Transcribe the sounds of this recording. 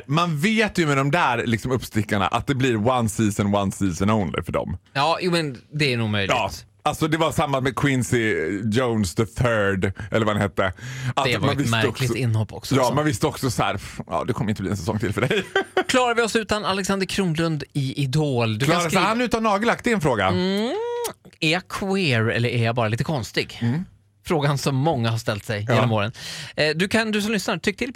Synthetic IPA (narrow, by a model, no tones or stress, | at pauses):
manveːt̪jɵmɛd̪ɔmd̪æɾlɪksɔmɵpːst̪ɪkːaɳa̰ʔa̰t̪̚d̪ɛbliɾwansiːsənwansiːsənɔʊnlɪ̰fœɖɔ̰mjɑːjuːmɛnd̪ɛænuːɡmœjljɑɪɡːt̪ | alsɔd̪ɛvasamːasmɛkʰwɪnsɪd͡ʒɔʊnsd̪əθʰœːɖɛ̰lːəɾvahanheːt̪ːəavmanvɪsæɔklɪsɪnːhɔpːɔ̰ksjɑːmanvɪst̪əɔksɔshæ̰ːɾfjɑ̰ːd̪ɛkʰɔmːəɪnt̪əb̪liːɛnsɛsɔ̰ŋːt̪ʰɪlfœɖɛjkʰlɑːɾaɾvɪɔsʉ̟ːt̪analɛksand̪əɾkʰɾuːnlɵnd̪ɪʔɪd̪oːld̪ɵasanʉ̟ːt̪anːɑːɡəlak̚t̪ɛɛnfɾoːɡa̰ | æɾjakʰweːɾɛ̰lːəɾɛɾjabɑːɾaliːt̪əkʰɔnst̪ɪɡ | fɾoːɡansɔmːɔŋːaɦaʂt̪ɛlt̪sɛjjeːnnɔmoːɾənd̪ɵkʰand̪ɵs̬ɔmlʏsnat̪ʰʏk̚ːt̪ʰɪl